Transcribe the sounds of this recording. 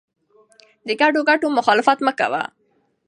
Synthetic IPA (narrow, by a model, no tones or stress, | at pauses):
d̪əɡaɖoɡaʈomʊxɑlɪfat̪məka̰wa̰